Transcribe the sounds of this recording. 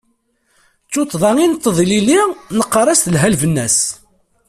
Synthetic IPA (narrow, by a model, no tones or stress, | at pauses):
t͡sːut̪ˤːðˤɑŋint̪ːəðˤililinəqːɑɾˤɑst̪lɦælvənːæs